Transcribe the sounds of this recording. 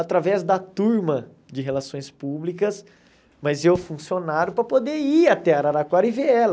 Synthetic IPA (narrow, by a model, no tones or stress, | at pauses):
at̪ɾavɛzd̪ɐt̪uɾmɐ | d͡ʒɪɦelasõj̃spublikɐs | mɐzewfũsionaɾʊpɾɐpod̪eiat̪ɛaɾaɾakwaɾiveɛlɐ